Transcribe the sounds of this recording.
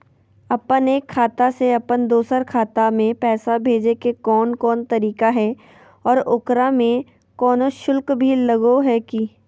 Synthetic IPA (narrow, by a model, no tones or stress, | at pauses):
ɐpəneːkʰːaːt̪aseɐpənd̪oːsəɾkʰaːt̪amẽpɛːsabʱeːd͡ʒekekɔːnkɔːnt̪ɐɾiːkaɦɛ | ɔːɾʊkɾamẽ | kɔːnoʃʊlkbʱilɐɡoɦɛki